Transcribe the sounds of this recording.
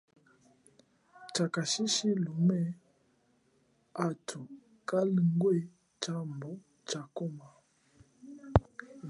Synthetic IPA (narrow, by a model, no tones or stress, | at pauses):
t͡ʃakaʃiʃilumɛ | atʰu | kaliŋɡwe | t͡ʃambɔ | t͡ʃakɔma